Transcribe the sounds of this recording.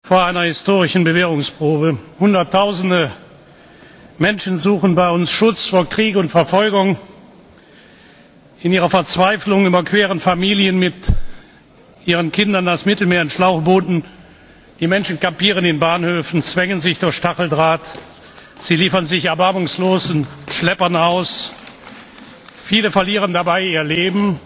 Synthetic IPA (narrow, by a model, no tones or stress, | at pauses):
foːɐʔaɪnɐhɪstoːʁɪʃn̩bəveːʁʊŋspʁ̥oːbəhʊndɐtʰːaʊzn̩də | mɛnʃn̩zuːχn̩baɪʊnsʃʊt͡sfoːɐkʁ̥iːkʊntfɛɐfɔlɡʊŋ | ɪniːʁɐfɛɐt͡sv̥aɪflʊŋyːbɐkv̥eːʁənfamiːljənmɪt | ʔiːʁ̞ənkʰɪndɐndasmɪtl̩meːɐɪnʃlaʊχb̥oːdn̩ | d̥iːmɛnʃn̩kapiːʁ̞əneːnbaːnhøːfn̩t͡sv̥ɛŋənzɪçd̥ʊɐçʃtaχl̩dʁaːt | z̥iːliːfɐnzɪçɛɐbaɐmʊŋsloːzn̩ʃlɛpɐnaʊs | fiːləfɛɐliːʁ̞əndabaɪiːɐleːbm̩